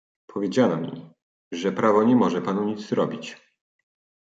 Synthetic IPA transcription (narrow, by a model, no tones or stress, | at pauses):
pʰɔvʲjed͡ʑanamʲḭ | ʐɛpɾavɔɲɛmɔʐɛpanuɲit̪zzɾɔbʲit͡ɕ